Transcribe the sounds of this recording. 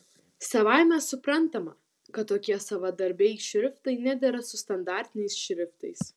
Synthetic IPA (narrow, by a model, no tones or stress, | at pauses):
sɐʋɑˑɪmʲɛsʊpɾɐnˑt̪ɐmɐ | kɐt̪ːoːkʲiɛsɐʋɐd̪ɐɾʲbʲɛɪʃʲɾʲɪft̪ɐɪnʲæd̪ʲɛɾɐsʊst̪ɐnd̪ɑːˑɾʲt̪ʲɪnʲɛɪsʃʲɾʲɪft̪ɐɪs